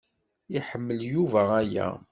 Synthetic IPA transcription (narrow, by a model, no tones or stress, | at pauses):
iħəmːəljuvææjæ̰